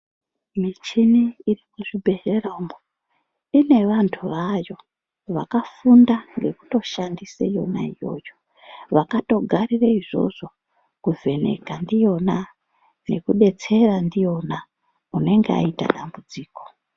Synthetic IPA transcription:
mit͡ʃiniːrikuʐibʱe̞ɦerombo | ine̞ʋantʰuʋajo̞ | ʋa̰kafundaŋɡe̞ku̥to̞ʃandisa̰ijo̞̰na̰ijo̞̰ːjo̥ | ʋakato̞ɡʱaɾiraiʐo̞̰ʐo̞ | kuve̞ne̞̰kandijo̞na | ne̞kuɗe̞t͡se̞randijo̞na | une̞ŋɡea̰ita̰ɗambud͡ziːko̞̥

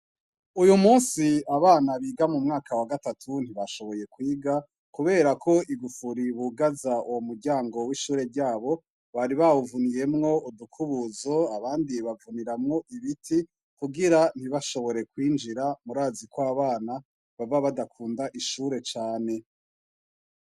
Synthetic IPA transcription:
ujumuːnsiaβaːnaβiːɡamumŋaːkawaɡatatʰun̥hiβaʃo̞βo̞je̞kwiːɡa | kuβe̞ːɾakʰo̞iɡufuɾiβuɡazauwomuɾɟaːŋɡo̞wiːʃuːɾe̞ɾɟaːβo̞ | βaɾiβaβuvunije̞mŋo̞udukʰuβuzo̞aβaːndiβavuniɾamŋo̞ʔiβitʰi | kuɡiɾan̥iβaʃo̞βo̞ɾe̞kwiːnd͡ʒiɾamuɾaːzikoaβaːna | βavaβadakʰuːndaʔiʃuːɾe̞t͡ʃaːne̞

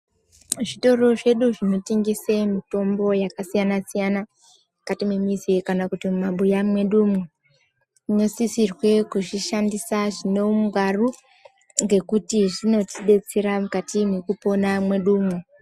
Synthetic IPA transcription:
ʐito̞ro̞ʐe̞ɗuʐino̞tiŋɡisemito̞mbo̞jakasijanasijana | akatimemizikanakutimumaɓujamwe̞ɗumwe | ɲosisirwe̞kuʐiʃandisaʐino̞muŋɡaru | ŋɡe̞kutiʐino̞tiɗe̞t͡seɾamukatimwekupo̞namwe̞ɗuːmwe

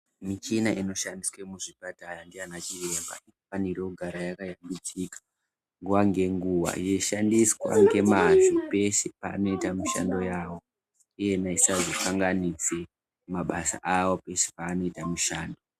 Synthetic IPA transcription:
mit͡ʃinaʔino̞ʃandiswemuʐibatajandianat͡ʃire̞mba̰ikufanirekuɡʱaɾajakajambit͡sikḁ | ŋɡuʋaŋɡe̞ŋɡuʋa̰je̞ʃandiswa̰ŋɡe̞mad͡zupe̞sepa̰ːno̞itamuʃa̰ndo̞jaːwo̞ | ije̞naisazokaŋɡanise | maɓasa̰ʔawo̞pe̞se̥paːno̞itamuʃaːndo̞

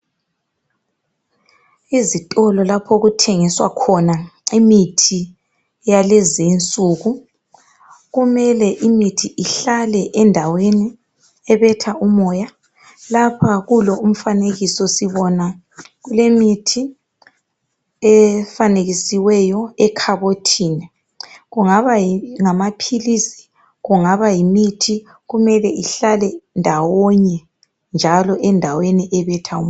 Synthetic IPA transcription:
izitʼɔlɔlapʰoɣutʰeŋiswa̰kʰɔnaimitʰi | jalɛzint͡sʼuɣu | ɣumɛlɛʔimitʰiʔiɬalɛʔɛndʱaweni | ɛβɛtʰaumɔja | lapʰaɣulɔum̩faneɣisɔsiβɔna | ɣulemitʰi | ɛfaneɣisiwɛjɔɛkʰaβotʰiːnɛ | ɣuŋaβaiŋamapʰilisi̥ | ɣuŋaβajimitʰi | ɣumɛlɛʔiɬalɛndʱawɔɲɛ | nd͡ʒʱalɔʔɛndʱaweniʔɛβɛtʰau

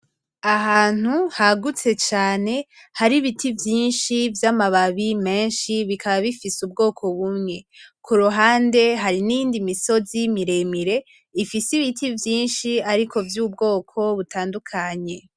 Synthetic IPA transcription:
aɦaːn̥huhaɡut͡se̞t͡ʃaːne̞ | haɾiβitʰivjiːnʃivjamaβaβime̞ːnʃiβikʰaβaβifisubɡo̞ːkʰo̞βumŋe̞kʰuɾuɦaːnde̞ɦaɾiniiːndimiso̞zimiɾe̞miɾe̞ | ifisiβitivjiːnʃiaɾikʰo̞vjuːbɡo̞ːkʰo̞βutaːndukʰaɲe̞

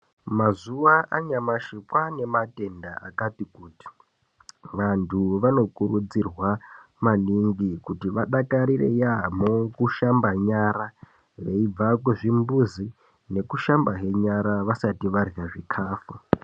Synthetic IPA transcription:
mazuʋaaɲamaʃikwane̞mate̞ndaa̰katikuːti̥ | ʋantʰuʋano̞kuɾud͡zirwa | maniŋɡikutiʋaɗakaɾire̞̰jamokuʃambaɲaɾa | ɦe̞ib͡vak̬weʐimbuzi | ne̞kuʃambaɦe̞ɲaɾaʋasatiʋarɣaʐikʰaːfu

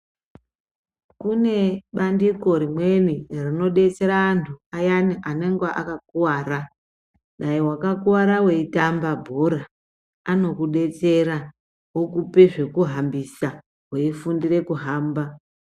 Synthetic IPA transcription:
kune̞ɓandiko̞ɾimwe̞nirino̞ɗe̞t͡se̞ɾaːntʰuajaniʔaneŋɡaʔakakuwaːɾa | ɗaiwakakuwaɾawe̞itambabʱoɾa | ano̞kuɗe̞t͡se̞ɾa | wokupeʐe̞kuɦambisa | weifundire̞kuɦaːmba

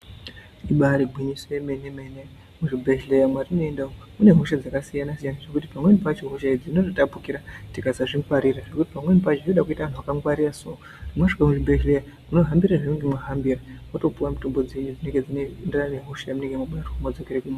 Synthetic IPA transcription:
iɓaɾibʱiɲisojemenemene | muʐibʱe̞ʒle̞jamwarino̞endaomune̞ɦuʃad͡zakasijanasijanaʐe̞kutipamwe̞nipat͡ʃoɦuʃaed͡zinototapukiɾatikazaʐiŋkwaɾiɾaʐe̞kutipamwe̞nipat͡ʃinoɗakuitaʋanuʋakaŋɡwaɾiraso | rimwoʂikamuʐibʱeʃleja | muno̞ɦambiɾaʐineŋɡemwaɦambirawoto̞puwamitombo̞d͡zeɲud͡zine̞ŋɡe̞d͡zinenderane̞ɦuʃajamune̞ŋɡemamaroumad͡zokeɾekuma

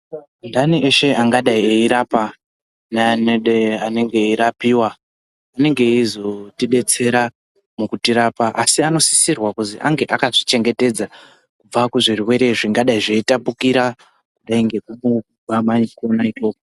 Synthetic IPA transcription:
ndaniʔe̞ʃe̞ʔaŋɡaɗaieiɾapa | naneane̞ŋɡe̞iɾapiwaː | ne̞ŋɡe̞izo̞tiɗe̞t͡se̞ɾa | mukutiɾaːpaʔasiano̞si̥sirwakuziʔaŋɡe̞ʔakaʐit͡ʃe̞ŋɡe̞te̞d͡za | kub͡vakuʐiruwe̞ɾe̞ʐiŋɡaɗaiʐeitapukiɾa | kuɗaiŋɡe̞kumu | amaɲiko̞naipoːko

